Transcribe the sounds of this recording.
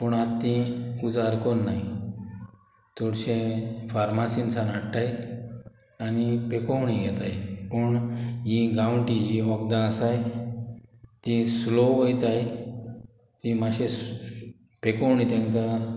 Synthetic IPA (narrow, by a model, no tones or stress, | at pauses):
pəɳat̪ːĩud͡zaɾkonːai | t̪oɽɕẽfaɾmasinsãnaɽʈaj | anipekowɳiɡɛt̪ajpuɳjĩɡauɳʈid͡ʑiɔkd̪ãəsaj | t̪ĩsloʋojt̪aj | t̪ĩmaɕes | pekowɳit̪ãŋka